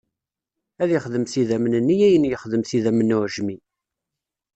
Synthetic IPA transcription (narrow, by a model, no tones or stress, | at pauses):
æðjəχðəmθiðæmnənːijæjənjəχðəmθiðæmənːʊʕʒmi